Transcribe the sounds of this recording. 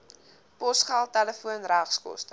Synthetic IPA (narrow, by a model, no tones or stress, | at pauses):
pɔsχalˠtæləfuənræχskɔ̰stə